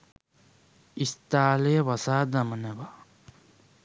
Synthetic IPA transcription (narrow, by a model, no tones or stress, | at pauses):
ist̪aːlejəʋasaːd̪aməneʋa